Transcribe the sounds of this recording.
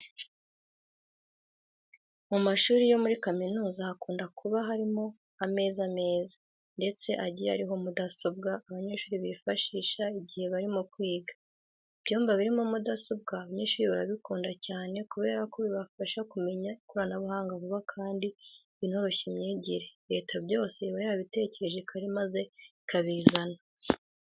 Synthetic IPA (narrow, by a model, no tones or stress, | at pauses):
mumaʃuːɾijo̞muɾikaminuːzaːkuːndakuβaɦaɾimo̞ | ame̞ːzame̞ːzḁ | nde̞t͡se̞ʔaɟija̰ɾiɦo̞mudasobɡaːβaɲeʃuːɾiβiifaʃiːʃaiɟihe̞βaɾimokwiːɡḁ | ib̥joːmvaβiɾimo̞mudaso̞b̚ɡaːβaɲeːʃuːɾiβaɾaβikuːndacaːne̞kuβe̞ːɾako̞βiβafaʃakume̞ɲaikoɾanaβuɦaːŋɡaβuβakʰaːndi | βinho̞ɾo̞çimɲiːɟiɾe̞ɾe̞ːtʰabjo̞ːse̞βaɾiβaβite̞ːce̞ɾe̞ʒe̞kʰaɾimaze̞ | kʰaβiːzana